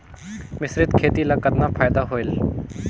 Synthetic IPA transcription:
mɪsɾɪd̪kʰeːt̪ilaːkəd̪napʰaːjd̪aɦoːɪl

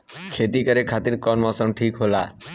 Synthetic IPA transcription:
kʰet̪ikəɾekʰat̪iɾkɔnmɔ̃səɳʈʰiːkɦola̰ː

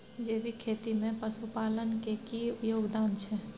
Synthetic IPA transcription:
d͡ʒeːbʱikʰeːt̪imẽpəsupaːlənkekijoːɡd̪aːnt͡ʃʰɛ

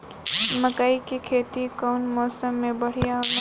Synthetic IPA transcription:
məkaikekʰeːt̪ikɔʊnmɔːsəmːẽbəɽ̤ijaɦo

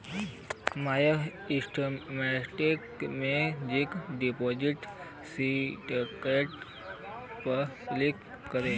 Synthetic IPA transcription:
maja | isʈomɛʈikmed͡ʑikɖipod͡ʑiʈ | siʈkeʈ | pəklikː | əɾe

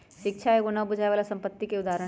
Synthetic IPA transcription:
ʃɪk̚t͡ʃʰaoɡonabʊd͡ʒʱajʋaːlasɐ̃mpət̪ːikeʊd̪aɾə

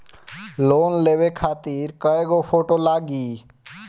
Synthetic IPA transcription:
loːnleːʋekʰaːt̪iːɾkəeɡoːpʰoːʈoːlaːɡiː

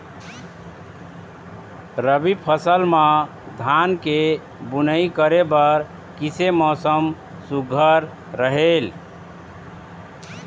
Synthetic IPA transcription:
ɾəbipʰəsəlmã | d̪ʱanke | bunəikəɾebəɾ | kisemɔsəm | suɡʱəɾː | əɦel

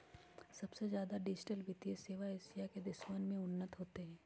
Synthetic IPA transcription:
sɐbsezjaːd̪aɖɪd͡ʒɪʈəlbɪt̪ieseːʋaeːsijaked̪ɪʃmanmẽʊnːət̪ɦoːt̪eɦɛ̃ː

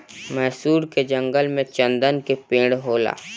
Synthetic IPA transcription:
mɛɦsuːɾked͡ʒə̃ŋɡəlmẽt͡ʃə̃nd̪ənkepẽːɽɦoːla̰ː

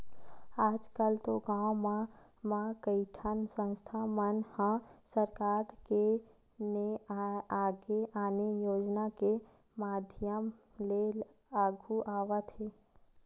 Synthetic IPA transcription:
aːd͡ʒkəlt̪oɡaːwmamãkəit̪ʰənsə̃nst̪ʰamənhãsəɾkaːɾke | neaːɡeʔaːnejoːd͡ʒnake | maːd̪ʱjəm | le | aːɡʱuʔaːʋət̪eː

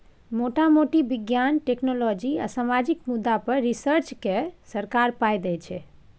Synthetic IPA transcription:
moʈamoʈibiɡjanʈeknolɔd͡ʒia̰samad͡ʒikmud̪ːapəɾːisəɾt͡ʃkesəɾkaɾpajd̪ɛt͡ʃʰɛ

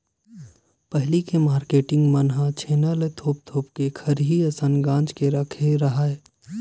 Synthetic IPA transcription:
pəɦlikemaːɾkeːʈɪ̃ŋɡmɐnɦãt͡ʃʰeːnalet̪ʰoːp̚t̪ʰoːp̚kekʰɐɾɦiɐsənɡãːt͡ʃkeɾɐkʰeɾɐɦaeː

